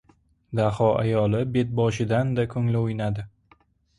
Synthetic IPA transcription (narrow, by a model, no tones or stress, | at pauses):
d̪ahɒʔa̰jɒlˠɪbe̞t̪̚bɒʃɪd̪and̪akʰɵŋlɪojnad̪ɪ